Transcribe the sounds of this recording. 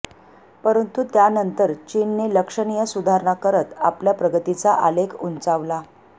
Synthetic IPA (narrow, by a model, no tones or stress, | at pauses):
pəɾənt̪ut̪janənt̪əɾt͡ɕinːeləkʂəɳijəsud̪ʱaɾɳakəɾət̪a̰pljapɾəɡət̪it͡saʔalekʰunt͡saʋla